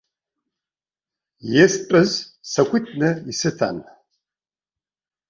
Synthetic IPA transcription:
jespʼɨzsɐkʷitʰʼnɨisɨtʰa̰n

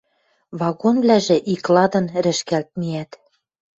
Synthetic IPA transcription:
βɑɣonβlæʒĕʔiklɑd̪ɤ̆nɾɘ̆ʃkælt̪̚miæt̪

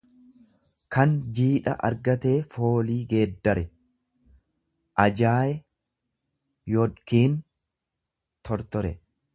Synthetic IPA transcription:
kɐnd͡ʒiːᶑɐ̰ʔɐ̰ɾɡɐt̪e̞ːfo̞ːliːɡe̞ːd̪ːɐɾɛ | ʔɐd͡ʒaːjɛ | jɔᶑkiːn | t̪ʰɔɾt̪ɔɾɛ

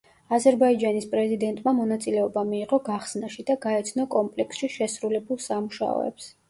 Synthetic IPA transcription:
azɛɾbaid͡ʒanispʼɾɛzid̪ɛnt̪ʼmamɔnat̪sʼilɛɔbamiːʁɔɡaχsnaʃid̪aɡaɛt̪sʰnɔkʼɔmpʼlɛksʃiʃɛsɾulɛbulˠsamuʃa̰ɔ̰ɛ̰ps

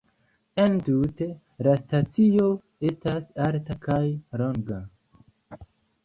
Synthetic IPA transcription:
entute̞ | lastat͡sijo̞ | e̞stasaɾtakajloŋɡa

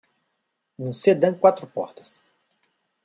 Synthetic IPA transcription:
ũsed̪ɐ̃w̃kwat̪ɾʊpɔ̰ɾt̪ɐ̥s

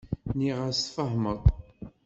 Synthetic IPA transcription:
niʁasfəɦməðˤ

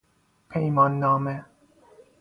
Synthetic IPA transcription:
pʰejmɔnːɔmɛ

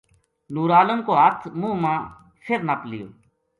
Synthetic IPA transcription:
nuːɾaːləmkoːɦət̪ʰmũːmãː | fʰɪɾnaplɪjo̰ː

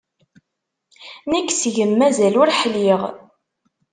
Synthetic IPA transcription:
nækːsʝəmːæzælʊɾħliʁ

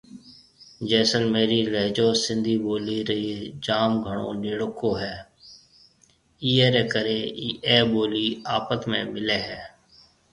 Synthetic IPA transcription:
d͡ʒɛːsənmeːɾiːləɦd͡ʒoːsɪ̃nd̪ʱiːɓoːliːɾəiːd͡ʒaːmɡʱəɳ̃õ̰ːnɪːɽʊkoːɦɛː | iːɦeːɾɛ̃ːkəɾeːiːʔɛːɓoːliːaːpət̪mḛ̃ːmɪleːɦɛː

